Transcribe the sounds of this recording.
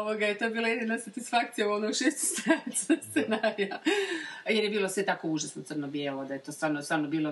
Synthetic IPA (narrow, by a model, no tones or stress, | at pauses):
oʋoɡajet̪o̞biːlˠajed̪inasat̪isfak̚t̪sijabolnouʃest̪osɾaisst̪enaja | jeɾjebiːlosʋe̞t̪akouʒasnot̪srnobjeːlˠod̪ajet̪o̞st̪ʋaːɾnost̪ʋaːɾnobiːlˠo